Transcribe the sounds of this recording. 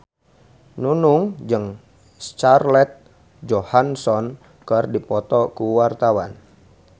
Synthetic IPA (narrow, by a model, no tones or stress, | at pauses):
nunuŋd͡ʒɨŋ | st͡ʃarlɛt̪̚ | d͡ʒohansɔn | kərdipɔt̪ɔkuwart̪awan